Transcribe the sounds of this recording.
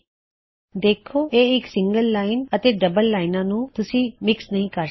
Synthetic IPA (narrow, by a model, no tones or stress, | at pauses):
d̪eːkʰːoːʔeːɪksɪ̃ŋɡəlːaːɪnət̪eːɖəbəlːaːɪnãːnũːt̪ʊsĩːmɪksnəɦĩːkəɾ